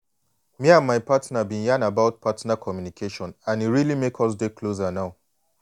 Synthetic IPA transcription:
miãnmaɪpatnabĩnjãnabaʊt̚pʰatnakʰɔmjunikʰeʃɔ̃nãniɹilimekʰɔs̬dekʰlozanaʊ

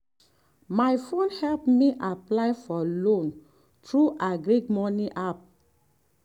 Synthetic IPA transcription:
majfõnhɛlpmiʔaplaɪjfɔlõn | tɹuʔaɡɾikmɔniʔap̚

